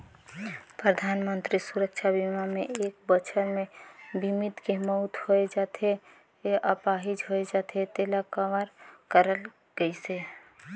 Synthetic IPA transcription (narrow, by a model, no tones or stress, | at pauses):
pɾəd̪ʱaːnmə̃nt̪ɾisuɾəkʃʰabimamẽʔeːk̚bət͡ʃʰəɾmẽbʱimɪt̪kemɔʊt̪hoed͡ʒaːt̪e | ʔəpaːɦɪd͡ʒɦoed͡ʒaːt̪et̪eːlakaʋəɾkəɾəl | ɡ̥əise